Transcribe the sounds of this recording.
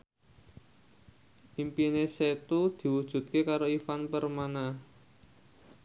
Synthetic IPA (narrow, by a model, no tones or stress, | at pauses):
ʔimpineset̪ud̪̥i̤wud̥ʒ̥ṳt̪̚kekaɾoifanpərmana